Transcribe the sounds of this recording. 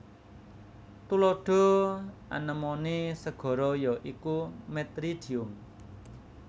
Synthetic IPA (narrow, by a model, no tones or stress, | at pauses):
t̪ulɔɖ̥ɔ̤ʔa̰nəmɔnesəɡ̥ɔ̤ɾɔjɔʔikumɛt̪ɾiɖ̥i̤ʊm